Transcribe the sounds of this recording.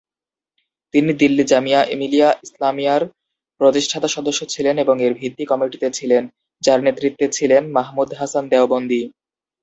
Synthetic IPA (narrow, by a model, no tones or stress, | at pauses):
t̪inid̪ilːid͡ʑamiaʔemilijaʔislamijaɾ | pɾot̪iʃʈʰat̪aʃɔd̪oʃːot͡ɕʰileneboŋeɾbʱit̪ːikɔmiʈit̪et͡ɕʰilen | d͡ʑaɾnet̪ːɾit̪ːet͡ɕʰilenmaɦmud̪ɦasand̪ɛobond̪i